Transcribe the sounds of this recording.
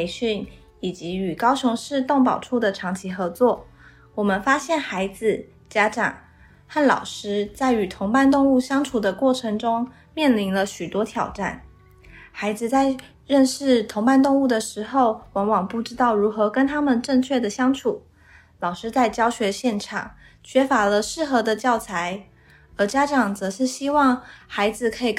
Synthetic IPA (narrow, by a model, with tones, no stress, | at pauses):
e˧˥ɪɕy˥˩n | i˨˩t͡ɕi˧˥y˨˩kɑ˥ʊɕʊ˧˥ŋʂɻ̩˥˧t̪ʊ˥˩ŋpɑ˨˩ʊʈ͡ʂʰu˥˩d̪ə˩ʈ͡ʂʰɑ˧˥ŋt͡ɕʰi˧˥xɤ˧˥t͡swɔ˥˩ | wɔ˨˩mə˦nfa˥ɕjɛ˥˩nxa˧˥ɪd͡zɹ̩˧ | t͡ɕja˥ʈ͡ʂɑ̰˨˩ŋ | xa˥˩nlɑ̰˨˩ʊʂɻ̩˥t͡sa˥˩ɪy˨˩t̪ʰʊ˧˥ŋpa˥˧nt̪ʊ˥˧ŋu˥˩ɕjɑ˥ŋʈ͡ʂʰu˨˩d̪ə˦kwɔ˥˩ʈ͡ʂʰɤ˧˥ŋʈ͡ʂʊ˥ŋ | mjɛ˥˩nli˧˥nlə˧ɕy˨˩t̪wɔ˥t̪ʰjɑ˨˩ʊʈ͡ʂa̰˥˩n | xa˧˥ɪd͡zɹ̩˧t͡sa˥˧ɪ | ɻə˥˧nʂɻ̩˥˩t̪ʰʊ˧˥ŋpa˥˧nt̪ʊ˥˧ŋu˥˩d̪ə˩ʂɻ̩˧˥xo˥˩ʊwɑ˧˥nwɑ˨˩ŋpu˥˩ʈ͡ʂɻ̩˥t̪ɑ˥˩ʊɻu˧˥xɤ˧˥kə˥nt̪ʰa˥mə˨nʈ͡ʂə˥˧ŋt͡ɕʰɥɛ˥˩d̪ə˩ɕjɑ˥ŋʈ͡ʂʰu˨˩˦ | lɑ˨˩ʊʂɻ̩˥t͡sa˥˩ɪt͡ɕjɑ˥ʊɕɥɛ˧˥ɕjɛ˥˩nʈ͡ʂʰɑ̰˨˩˦ŋ | t͡ɕʰɥɛ˥fa˧˥lə˧ʂɻ̩˥˩xɤ˧˥d̪ə˧t͡ɕjɑ˥˩ʊt͡sʰa˧˥ɪ | ə˞˧˥t͡ɕja˥ʈ͡ʂɑ˨˩ŋt͡sɤ˧˥ʂɻ̩˥˩ɕi˥wɑ˥˩ŋxa˧˥ɪd͡zɹ̩˨˧kʰɤ˧˥i˨˩